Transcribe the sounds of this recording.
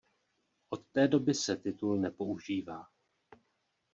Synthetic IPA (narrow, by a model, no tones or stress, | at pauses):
ʔo̞t̪ːɛːdo̞bɪsɛt̪ɪt̪ulnɛpo̞uʒiːvaː